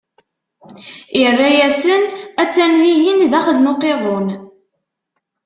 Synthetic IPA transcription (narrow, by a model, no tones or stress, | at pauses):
irːæjæsənæt͡sːænlijinðæχəd̪noqeðˤon